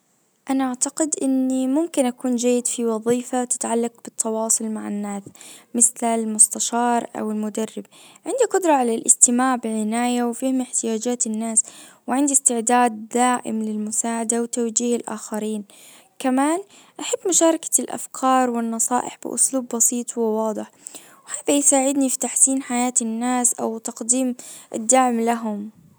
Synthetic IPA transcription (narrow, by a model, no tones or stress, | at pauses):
ʔanaʔaʕt̪aqɪd̪ʔɪnːimʊmkɪnʔakuːnd͡ʒajːɪd̪fiwɑðˤiːfat̪ɪ̥t̪ʕalːaq̚b̥ɪt̪ʰːɑwɑːsˤʊlmaʕa̰nːaːsmɪθlalmʊst̪aʃɑːɾˤʔa̰wɪlmʊd̪arːɪbʕɪnd̪iqʊd̪ɾˤɑʕalalʔɪ̰st̪ɪmaːʕbɪʕɪnaːjawfiːhɪmɪħt̪ɪjaːd͡ʒaːt̪ɪnːaːswɪʕɪnd̪ist̪ɪʕd̪aːd̪ːaːʔɪ̰mlɪlmʊsaːʕad̪awt̪awd͡ʒiːhɪlʔa̰ːxaɾiːn | kamaːn | ʔaħabːmʊʃɑːɾˤɑkḁlʔa̰fkʰɑːɾˤwɪnːɑsˤɑ̰ːʔɪ̰ħb̥ɪ̰ʔʊ̰sluːbːɑsiːt̪ˤwɪwɑːd̪ˤɨħ | whaːðajsaːʕɪd̪nifi̥t̪aħsiːnħajaːt̪ɪnːaːsʔa̰wt̪ɑqd̪iːmʔɪ̰d̪ːaʕmlaɦʊm